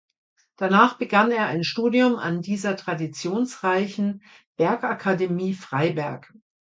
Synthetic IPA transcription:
d̥anaːχb̥əɡaneːɐʔa̰ɪnʃtuːdiʊma̰ndiːzɐtʁ̥adit͡sjoːnsʁaɪçn̩ | b̥ɛɐkʔakʰademiːfʁ̥aɪbɛɐk

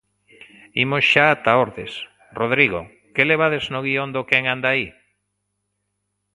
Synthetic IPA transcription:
imosʃaːt̪aoɾðes | roð̞ɾiɣo̰ | keleβ̞aðeznoɣiond̪okeŋand̪ai

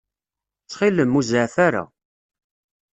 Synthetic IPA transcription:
t͡sːχiləmːuzəʕθaɾa̰

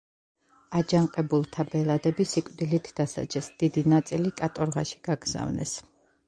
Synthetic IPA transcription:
ad͡ʒaɴqʼɛbulˠt̪ʰabɛlˠad̪ɛbisikʼd̪ilit̪ʰd̪asa̰d͡ʒɛsd̪̥id̪inat̪sʼilikʼat̪ʼɔɾʁaʃi̥ɡ̥aɡza̰vnɛ̰s

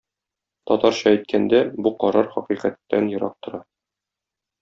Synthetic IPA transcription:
t̪ɒt̪ɑɾɕɑæjt̪̚kʰænd̪æbuqɒɾɑɾχɒqiqæt̪ːænjɤ̆ɾɑ̰q̚t̪ŏɾɑ

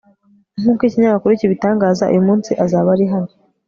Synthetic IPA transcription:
n̥huːkwiciɲaβakuɾiciβitaːŋɡaːzaṵjumuːnsiʔazaːβaɾiɦaɾi

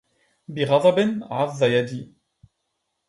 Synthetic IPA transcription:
biʁɑðˤɑbɪnʕaðˤːajad̪i

